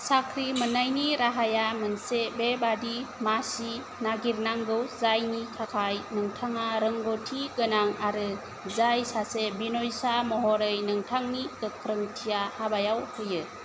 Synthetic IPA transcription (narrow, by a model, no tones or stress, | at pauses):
sakʰɾimɯnajniɾaɦajamɯnsebebadimasi | naɡiɾnaŋɡɯwzajnikʰakʰajnɯŋtʰaŋaɾɯŋɡɔtʰiɡɯnaŋaɾɯ | zajsasebinɔjsamɔɦɔɾɯjnɯŋtʰaŋnikɯkʰɾɯŋtʰijahabajawhʰɯjɯ